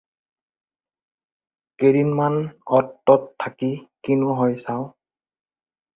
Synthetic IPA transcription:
keɹinmanɔtːɔtʰːakikinʊɦɔjsaw

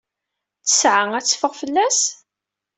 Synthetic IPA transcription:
t͡sːə̥sʕaŋæt͡sːfəʁfəlːæs

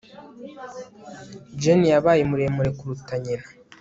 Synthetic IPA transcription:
d͡ʒenijaβaːjemuɾe̞muɾe̞kuɾutaɲeɾa

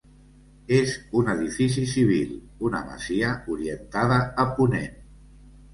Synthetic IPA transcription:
ezunəðifis̬isiβ̞ḭl | unə̰mə̰ziəuɾiənt̪aðəːpunḛn

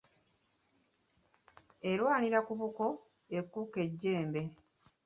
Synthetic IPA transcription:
e̞lwaːniɾakuβuko̞ | ekːuke̞ɟːe̞ːmbe̞

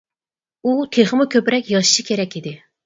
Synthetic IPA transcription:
ut̪ʰeχɨmukʲøpɾɛkʲjɑʃʃikʲʰeɾɛkʲid̪ɪ

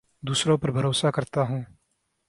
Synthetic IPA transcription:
d̪uːsɾõpɐɾbʱɐɾoːsakɐɾt̪aɦũː

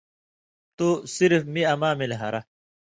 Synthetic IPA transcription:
t̪usiɾfmiɐmaːmilɦɐɾɐ

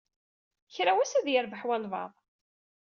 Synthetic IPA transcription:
çɾawæsæðjəɾbəħwælvɑ̰ðˤ

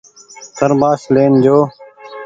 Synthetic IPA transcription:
t̪əɾmaːsleːnd͡ʒoː

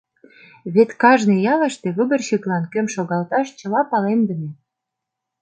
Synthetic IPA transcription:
βet̪kɑʒnejɑlə̆ʃt̪eβəbə̆rɕiklɑnkømʃoɣɑlt̪ɑʃt͡ɕə̆lɑpɑlemd̪ə̆nĕ

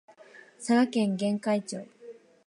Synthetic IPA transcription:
saɡakẽ̞ŋɡẽ̞ŋkait͡ɕoː

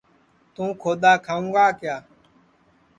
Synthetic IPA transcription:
t̪ũːkʰoːd̪aːkʰaːũːɡaːkɪjaː

